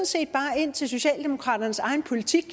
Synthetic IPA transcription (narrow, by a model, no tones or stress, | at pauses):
nse̝̰ːd̥̚b̥ɑ̈ːe̝n̰t͡sʰelso̝ɕɛ̰ːld̥e̝mo̝kʰʁɑ̰̈ːɾ̥ɐnəsɑ̈ɪn̩pʰo̝lit͡sʰiɡ̥